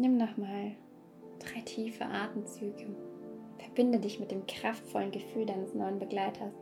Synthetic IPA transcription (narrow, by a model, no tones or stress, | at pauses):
nɪmnɔχmaːl | d̥ʁaɪtʰiːfə̰ʔa̰ɐtn̩t͡syːɡəfɛɐbɪndədɪçmɪt̚d̥eːmkʁ̥aftfɔlənɡəfyːldaɪnəsnɔʏənbəɡlaɪtʰɐs